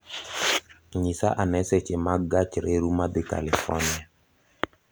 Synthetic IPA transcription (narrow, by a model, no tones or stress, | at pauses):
ɲisa̰ʔanɛsɛt͡ʃɪmaɡat͡ʃɾeɾumadɪka̰lifɔ̰nia